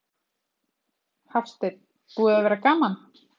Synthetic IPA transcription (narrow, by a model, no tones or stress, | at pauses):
hafst̪ɪt̪̚ | puːðavɛːɾakaːman